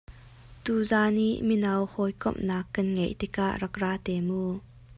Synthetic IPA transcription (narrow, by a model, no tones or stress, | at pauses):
t̪uːzaːniʔminɐwhɔjkɔ̰mnaːkːɐnŋejʔt̪ɪka̰ʔrɐk̚raːt̪ɛːmuː